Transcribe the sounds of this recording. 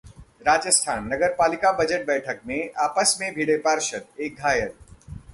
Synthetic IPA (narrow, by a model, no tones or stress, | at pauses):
ɾaːd͡ʒəst̪ʰaːnːɐɡəɾpaːlɪkabəd͡ʒəʈ̚bɛːʈʰək̚mẽʔaːpəsmẽbʱiɽepaːɾʃət̪̚eːk̚ɡʱaːjəl